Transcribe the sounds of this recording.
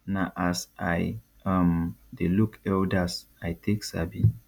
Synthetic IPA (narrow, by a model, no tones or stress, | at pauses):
naʔasaj | amdelukɛldas | ajtʰeksa̰bi